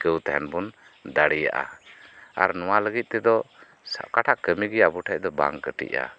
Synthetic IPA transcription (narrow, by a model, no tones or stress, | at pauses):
kəwt̪ɛɦɛnbun | d̪aɽija̰ʔa̰ | aɾnɔwaləɡit̪̚t̪ɛd̪ɔ | sa̰ʔkaʈʰaʔkəmiɡɛabuʈʰɛc̚d̪ɔba̰ŋkəʈḭʔa̰